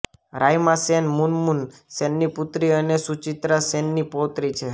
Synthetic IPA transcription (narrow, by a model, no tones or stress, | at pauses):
ɾajmãsenmunmunsɛnːiput̪ɾiənesut͡ʃit̪ɾəsenːipot̪ɾit͡ʃʰe